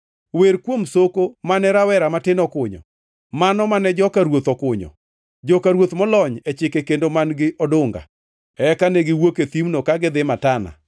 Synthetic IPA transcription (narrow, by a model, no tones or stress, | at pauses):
weɾkwomsokomanɛɾawɛɾamatɪnɔkʊɲɔ̰ | manɔmanɛd͡ʒɔkaɾwot̪ɔkʊɲɔ̰ | d͡ʒɔkaɾwot̪mɔlɔɲɛt͡ʃɪkekendomanɡɪʔɔdʊŋɡa̰ | ɛkanɛɡɪwoket̪imnokaɡɪd̪ɪmatana̰